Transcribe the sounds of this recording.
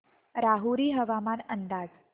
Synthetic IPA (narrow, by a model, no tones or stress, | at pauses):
ɾaɦuɾiɦəʋamanənd̪ad͡z